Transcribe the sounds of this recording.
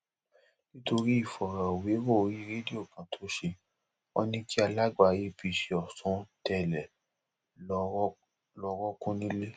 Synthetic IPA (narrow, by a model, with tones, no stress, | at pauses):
nĩ˦to˧ɾi˦i˦˨fɔ˨ɾã˨o˨we˨˦wo˦o˧ɾi˦ɾe˦di˦o˦˨kã˨tʰo˨˦ʃe˧ | ɔ̰˦nĩ˦ki˦a˧la˦ɡ͡ba˨je˦˨fi˨˧ʃe˧ɔ˨sũ˨˦tɛ˦˨lɛ˨˧ | lɔ˧ɾɔ˦kũ˦nĩ˦le˦